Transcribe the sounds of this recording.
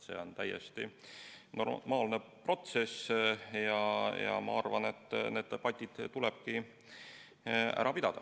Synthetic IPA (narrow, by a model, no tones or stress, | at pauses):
sḛːo̞nt̪æjḛst̪ḭnomɑːlnepro̞t̪se̞sjɑjɑ̰mɑ̰ɑrvɑne̞t̪ːne̞ːd̪̥̚d̪e̞b̥ɑt̪ʲːˑid̪̥t̪ulɛb̥̚ki | æ̰ɾɑpid̪ɑd̪̥ɑ